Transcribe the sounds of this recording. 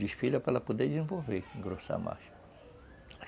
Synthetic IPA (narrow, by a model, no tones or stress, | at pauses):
iʃfilɐpɾalɐpod̪eɾd̪izẽvoveɾɡɾosa̰ma̰ʃ